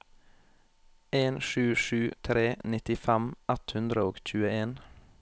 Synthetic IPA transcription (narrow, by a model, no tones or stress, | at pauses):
eːnʃʉːʃʉːt̪ʰɾeːnɪt̪ɪfæmɛt̪hʉnd̪ɾəoːɡc͡çʉːəeːn